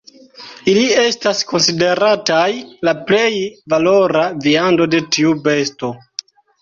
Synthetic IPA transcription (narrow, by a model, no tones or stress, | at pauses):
ilie̞stasko̞nside̞ɾatajlaple̞jvalo̞ɾaviando̞de̞tiube̞sto̞